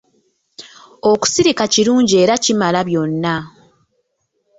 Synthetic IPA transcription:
o̞ku̥siɾikaciɾuːɲɟie̞ːɾacimalaβjo̞nːa

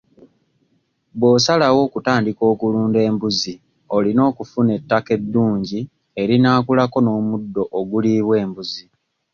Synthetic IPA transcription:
βwo̞ːsalawo̞ːkutaːndiko̞ːkuluːnde̞ːmbuzi | o̞lino̞ːkufune̞tːake̞dːuːɲɟi | e̞ɾinaːkulako̞no̞ːmudːo̞ʔːɡuliːβwe̞ːmbuzi

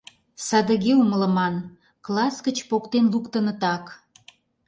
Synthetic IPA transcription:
sɑd̪ə̆ɣeumələ̆mɑn | klˠɑsɡət͡ɕpokt̪enlukt̪ənə̆t̪ɑk

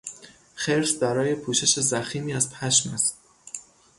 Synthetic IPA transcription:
xeɾsd̪ɒːɾɒːje̞pʰuːʃe̞ʃe̞zæxiːmiːæzpʰæʃmæst̪

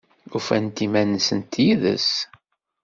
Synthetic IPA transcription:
ufænt̪imænəsənt̪jiðə̰s

